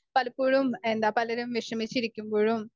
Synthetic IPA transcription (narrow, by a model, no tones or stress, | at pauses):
pɐlɐpuːɽumend̪apɐlɐɾɐmʋiʂɐmit͡ʃiɾikːimbuːɻum